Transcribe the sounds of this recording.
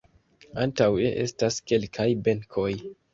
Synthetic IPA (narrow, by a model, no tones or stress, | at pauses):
antawḛʔe̞̰staske̞lkʰajbe̞ŋkʰo̞j